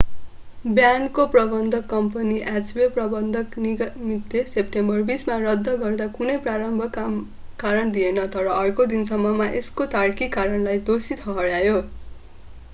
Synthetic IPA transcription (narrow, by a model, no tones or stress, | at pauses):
bjankoprʌbʌnd̪ʱʌkːʌmpʌniʔad͡zbeprʌbʌnd̪ʱʌknimid̪ːesepʈembʌrbismarʌd̪ʱːʌɡʌrd̪akunʌjpraɾʌmbʱʌkam | kaɾʌnd̪ienʌt̪ʌɾʌːrkod̪insʌmːʌmaʔeskot̪aɽkikaɾʌnlajd̪osit̪ʰʌɦʌɽjajo